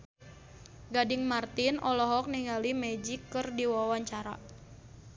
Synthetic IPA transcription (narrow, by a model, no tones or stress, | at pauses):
ɡadɪŋmart̪inʔɔlɔɦɔk̚niŋalimɛd͡ʒikːɨrdiwawaɲt͡ʃaɾa̰